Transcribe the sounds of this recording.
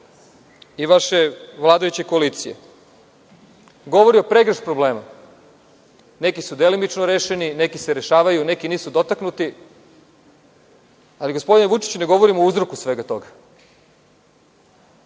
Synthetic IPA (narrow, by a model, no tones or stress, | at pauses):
iʋaʃeʋlˠaːd̪ojut͡ɕekoaliːt̪sijḛ | ɡo̞ʋo̞ɾio̞pɾe̞ɡɾeʃpɾo̞ble̞ːma | ne̞kisud̪e̞limit͡ʃnoɾeːʃenine̞kiseɾe̞ʃaːʋajune̞kiniːsud̪o̞t̪aknut̪i | aliɡo̞spo̞d̪inʋut͡ʂi̥t͡ɕne̞ɡo̞ʋoɾimouzɾokusʋe̞ɡat̪o̞ɡa